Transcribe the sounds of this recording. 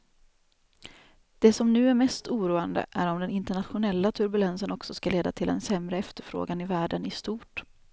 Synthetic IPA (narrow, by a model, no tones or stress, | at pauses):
d̪̥ɛsɔmnʉ̟ːæɾmɛst̪uːɾuːand̪ə̰ʔæɾɔmd̪ɛnɪnt̪əɳat̪ɧʊnɛlːat̪ʰɵɾbɵlɛnsənɔksɔskaleːd̪a̰t̪ʰɪld̪ɛ̰nsɛmɾəɛft̪əɾfɾo̰ːɡanɪvæːɖənɪst̪uːʈ